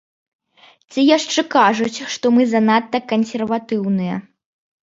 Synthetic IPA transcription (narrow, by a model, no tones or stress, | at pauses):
t͡sʲijaʂt͡ʂɛkaʐut͡sʲʂt̪ɔmɨzɐnat̪ːɐkɐnsʲɛrvat̪ɨwnɨjɐ̰